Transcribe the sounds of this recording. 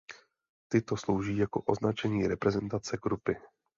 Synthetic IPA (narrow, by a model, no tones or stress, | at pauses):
t̪ɪt̪o̞slo̞wʒiːjako̞ʔo̞znat͡ʃɛɲiːɾɛpɾɛzɛnt̪at͡sɛɡɾupɪ